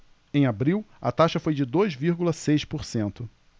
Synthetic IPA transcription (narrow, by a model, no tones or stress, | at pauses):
ẽj̃abɾiwɐ̰t̪aʃɐfojd͡ʒɪd̪ojzviɾɡulɐsejʃpoɾsẽnt̪ʊ